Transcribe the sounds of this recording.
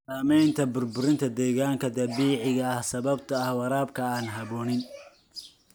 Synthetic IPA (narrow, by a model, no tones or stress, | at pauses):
saːmɛjnt̪ʰɐbʊrbʊɾɪnt̪ʰɐd̪ɛːɣaːŋkʰɐd̪ɐβiːʕɪɣɐɐhsɐβɐb̚t̪ʰɐːhwɑɾaːb̚kʰɐaːnɦɐβɔːnɪn